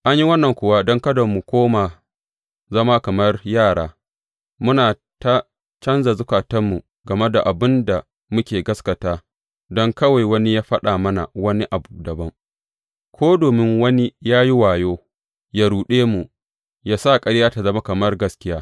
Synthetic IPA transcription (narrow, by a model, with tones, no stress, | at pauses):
ʔa˦ɲji˦wɐ˦nːɐ˨ŋkʷʊ˨wa˦dɔ˦ŋkɐ˦do˨mːu˨kʷoː˦ma˨ | zɐ˦ma˦kɐ˨mɐ˦rjaː˦˨ɽaː˦ | mʊ˦naː˨ | ta˦ | t͡ʃɐ˦nza˨zʊ˦kaː˨tɐ˦mːu˨ | ɡɐ˨me˦da˨ʔa˨bɪ˦nda˨ | mʊ˦kʲeː˨ɡɐ˦skɐ˨taː˦ | dɔ˦ŋkɐ˦wa˨jwɐ˦ni˦jaː˦ɸɐ˦ɗaː˨mɐ˦na̰˨wɐ˦ni˦ʔa˨bu˨dɐ˨bɐ˦ŋ | kʷʰoː˦doː˨mɪ˦ŋwɐ˦ni˦jaː˦ji˦waː˨joː˦ | ja˦ɽuː˨ɗeː˦mu˨ | jaː˦sa˦˨kʼɐ˦ɽjaː˦ta˨zɐ˦ma˦kɐ˨mɐ˦rɡɐ˦skʲɪ˦jaː˦